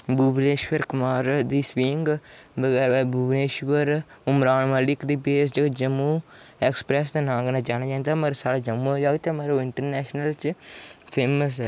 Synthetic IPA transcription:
buːbneːʃʋəɾkʊmaːɾd̪iːsʋiːŋɡbəɡɛːɾbuːbneːʃʋəɾʊmɾaːnməlɪkd̪iːbeːs̬d͡ʒəɡd͡ʒəmːuːɛːkspɾɛːsd̪enãːŋɡnaːd͡ʒaːñaːd͡ʒaːnd̪aːmeɾsaːɽaːd͡ʒəmuoːd͡ʒaːɡt̪emeːɾoːɪɳʈəɾnɛːʃnəlt͡ʃpʰeːməs̬ɛː

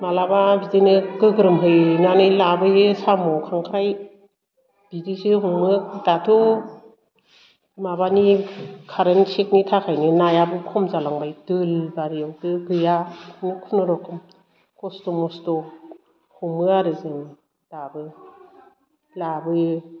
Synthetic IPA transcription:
malababidɯnɯɡɯɡɾɯmɦɯjnanɯjlabɯɯsamɔkʰaŋkʰɾaj | b̥idisɯɦuŋmɯdatʰu | maβanikʰaɾensek̚nitʰakʰajnɯnajabɯkʰɔmzalaŋbajdɯlbaɾijawdɯɡɯjanɯkʰunɯɾɔkʰɯm | kɔstɔmɔstɔ | humɯaɾɯzɯŋ | dabɯ | labɯ

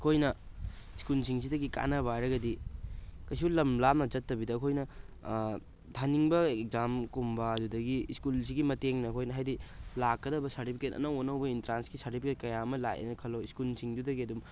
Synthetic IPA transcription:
ɐkʰojnɐiskulsiŋs̬idɐɡika̰nɐbaɾɐɡɐdi | kɐjs̬ulɐmlap̚nɐd͡ʒɐtːɐbidɐɐkʰojnɐ | tʰaniŋbɐeek̚zamkumbɐɐdudɐɡiiskuls̬iɡimɐteŋnɐɐkʰojnɐɦajdilakːɐdɐbɐsaɾtipʰiketɐ̰nɐwonɐwbɐintɾansɡisaɾtipʰiketkɐjamɐla̰jɐ̰nɐkʰɐlːoiskulsiŋdudɐɡiɐdum

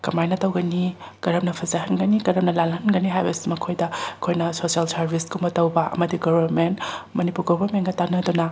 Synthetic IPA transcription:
kɐmajnɐtɐwɡɐni | kɐɾɐp̚nɐpʰɐzɐɦɐnɡɐnikɐɾɐm̚nɐlalɦɐnɡɐniɦajbɐsi̥mɐkʰojdɐkʰojnɐsosalsɐɾbʱiskumɐtɐwbɐʔɐ̰mɐdiɡoβɐɾmentmɐnipuɾɡobʱɐɾmenɡɐtanɐdunɐ

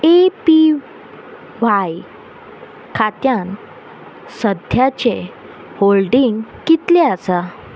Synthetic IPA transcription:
epi | ʋaj | kʰat̪jãn | səd̪ʱjat͡ɕe | holɖiŋɡkit̪leasa

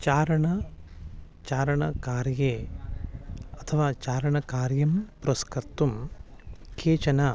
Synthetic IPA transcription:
t͡ʃaːɾɐɳɐ | t͡ʃaːɾɐɳɐkaːɾjeː | ɐt̪ʰɐʋaːt͡ʃaːɾɐɳɐkaːɾjɐmpɾɐskɐɾt̪um | kʰeːt͡ʃɐnɐ

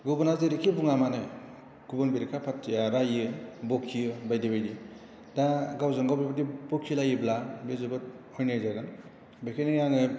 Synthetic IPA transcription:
ɡɯbɔnazeɾikʰibuŋamanɯ | ɡ̥ubɔnbiɾikʰapʰatʰːijaɾajɯbokʰijɯbajdibajdi | daɡawzɯŋɡawbibadibɔkʰːilajɯblabezubɯt̚ɔjnɯjzaɡɯn | bakʰenejaŋɯ

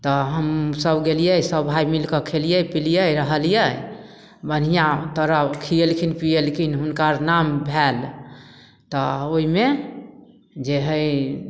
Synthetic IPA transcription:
t̪ɔɦəmsəbɡelijəjsəbʱajmilkəkʰelijəpilijəɾəɦəlijə | bən̤ijãt̪əɾəkʰijelkʰinpijelkʰinɦunkaɾnambʱel | t̪ɔoime | d͡ʒeɦəj

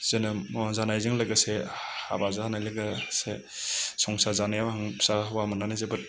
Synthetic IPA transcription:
z̥ɯnɯmzanajzɯŋlɯɡɯse | a̰bazaanajlɯɡase | sɔŋsazanajawɦaŋsawamananazebɯt̚

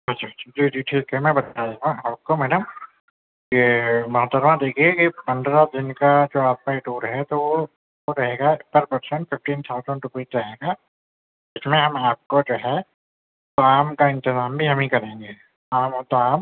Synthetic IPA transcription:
ɐt͡ʃʰat͡ʃːd͡ʒid͡ʒiʈʰiːkɦɛmɛ̃bɐt̪aːd̪eɦãɦɐb̚komɛːɖəm | kimɐɦət̪ːəɾmãd̪eːkʰiekipɐ̃nd̪ɾad̪ɪnkad͡ʒoːaːp̚kaeʈuːɾɦɛt̪oʋo | oɾɐɦeːɡaɪpːəɾpɐɾsə̃ɳʈfɪfʈiːnt̪ʰaːʊzə̃ɳɖɾʊpiːʈɾɐɦeːɡaː | d͡ʒɪsmẽɦɐmaːp̚kod͡ʒoːɦɛ | t̪oaːmkaɪ̃nt̪ɪzaːmbʱiɦɐmɦĩkɐɾẽːŋɡeː | aːmt̪oaːm

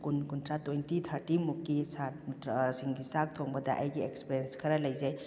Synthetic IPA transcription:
kunkuntɾatojntitʰɐɾtimukːisat̚ʰmitɾsiŋɡisak̚tʰɔŋbɐdɐʔɐjɡiekspiɾienskʰɐɾɐlɐjzaj

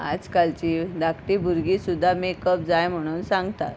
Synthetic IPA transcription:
a̰d͡zkalt͡ɕiːd̪akʈibuɾɡiːsud̪ʱːamekəp̚d͡zajm̤əɽ̃uːnsãŋɡt̪at̪

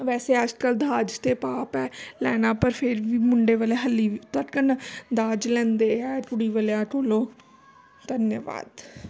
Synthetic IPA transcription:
ʋɛːseːəd͡ʒkəld̪aːd͡ʒt̪eːpaːpɛːlɛːnãːpəɾpʰɪɾʋiːmʊɳɖeːʋəleːɦəlːiːt̪əʈkənd̪aːd͡ʒlɛ̃ːnd̪eːɛːʈʊɽiːʋəlãːʈoːloː | d̪̥ənjəʋa̰ːd̪

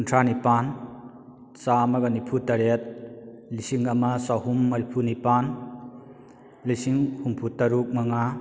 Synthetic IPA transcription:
kuntʰɾanipan | samɐɡɐnipʰutɐɾet̚ | lisiŋɐmɐsaɦumːɐɾipʰunipan | lisiŋhumpʰutɐɾuk̚mɐŋa

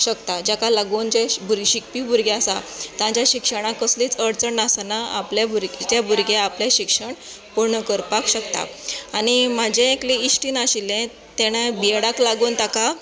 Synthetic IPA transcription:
ɕəkt̪ad͡ʑakalaɡuːnd͡ʑebʱuɾɕik̚pibʱuɾɡeasat̪ãt͡ɕjaɕikʂəɽ̃ãkəsliːt͡səɽt͡səɳnasanaaplebʱuɾɡd͡ʑabʱuɾɡeapleɕikʂəɳ | puɾɳəkəɾpakɕəkt̪a̰aɽ̃imad͡ʑẽekleisʈiːnaɕilːẽ | t̪eɽ̃ebijeɽaklaɡuːnt̪aka

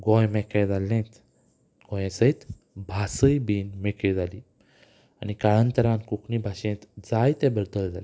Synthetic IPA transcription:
ɡɔ̃jmɛkejd͡zalːẽt̪ | ɡɔ̃jẽsət̪ | bʱasəjbiːnmeked͡zaliː | a̰nikaɭənt̪əɾãnkukʰɳibʱaɕẽt̪d͡zajt̪ɛ̃bəɾd̪əld͡zali

